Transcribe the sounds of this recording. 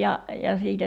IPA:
jɑ jɑ siːtæ

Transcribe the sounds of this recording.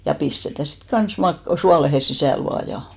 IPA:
jɑ pistetæ sit kɑn̞s mɑk suɑlehe sisæˑl ʋɑː jɑ

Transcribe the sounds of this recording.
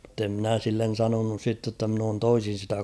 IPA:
m̩̆te mnæˑ silːen̞ sɑnonus sitːe tːɑ mn oːn toisin̞ sitæ

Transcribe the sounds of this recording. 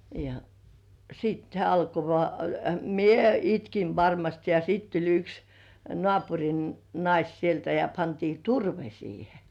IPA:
jɑ siːt hĕæˑ ɑlko ʋŏɑˑ mie itkiʋ ʋɑrmɑst jɑ sit tulʲ yks nŏɑˑpurʲin nɑis sieltæ jɑ pɑntiː turʋe siːhe

